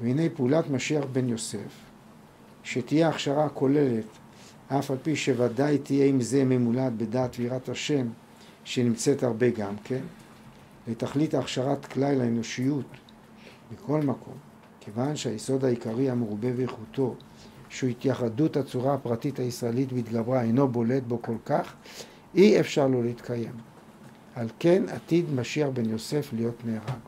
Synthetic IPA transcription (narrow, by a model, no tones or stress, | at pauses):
veine̞jpeulatmaʃiaχbe̞njo̞se̞f | ʃetijeaχʃaʁako̞le̞le̞t | ʔafalpiʃe̞vadajt̪ʰijeimze̞memulat̪be̞daːt̪viːʁathaʃe̞m | ʃenimt͡se̞thaʁbe̞ɡamkʰe̞n | le̞taχlitaːχʃaʁatklajlaeno̞ʃijut̪ | mikʰo̞lmakʰo̞̰m | kʰevanʃeajeso̞d̪haikaʁihameʁube̞veeχuto̞ | ʃuhit̪jaχadutat͡suʁaapʁatithaisʁaelitbit̪ɡabʁaejno̞bo̞le̞tbo̞ko̞lkaχ | iefʃaʁlo̞leit̪kʰaje̞m | halke̞nat̪id̪maʃiaχbe̞njo̞se̞flijo̞tneaʁaɡ